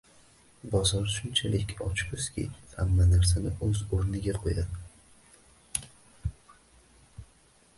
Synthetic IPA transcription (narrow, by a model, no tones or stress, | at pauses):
bɒzɒɾʃʊnt͡ʃʰalɪkʲʰɒt͡ʃkʰʊskʲḭjha̰mːanaɾs̬anɪʔɵzoɾnɪɡʲaqʰojad̪ɪ